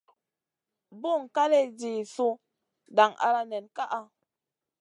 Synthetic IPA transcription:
bu˦˨ŋka˦le˦d͡ʒi˨su˧ | da˨ŋʔa̰˧ɾa˦nɛ˨nka˦ʔa˧

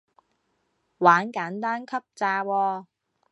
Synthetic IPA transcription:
waː˨˥nkaː˨˥nt̪aː˥nkʰɐ˥p̚t͡saː˧wɔː˧

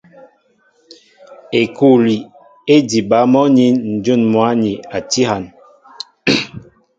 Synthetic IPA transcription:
e˨ku˦˨li˨ | e˦di˨ba˨˦mɔ˦ɲi˦n̩˨d͡ʒu˦˨nmwa˨˦ɲi˨a˨ti˦ha˨n

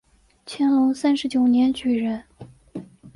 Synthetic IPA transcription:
t͡ɕʰjɛ˥nlʊ˧˥ŋsa˥nʂɻ̩˧˥t͡ɕjo˨˩ʊnjɛ˧˥nt͡ɕy˨˩ɻə˧˥n

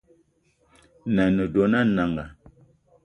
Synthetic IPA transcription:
na˨nə˨do˨na˦na˨ŋɡa˨

